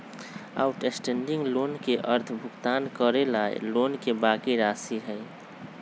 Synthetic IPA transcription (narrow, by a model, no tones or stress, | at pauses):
a̰ːʊʈesʈẽːɳɖɪ̃ŋɡloːnkeʔəɾt̪ʰbʱʊɡt̪aːnkəɾelaːḛloːnkebaːkiɾaːsiɦɛ